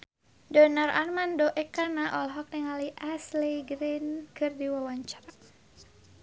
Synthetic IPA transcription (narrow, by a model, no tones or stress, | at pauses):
dɔnara̰rmandɔʔɛkanaʔɔlɦɔk̚niŋaliʔasliɡɾinkɨrdiwawaɲt͡ʃḁɾa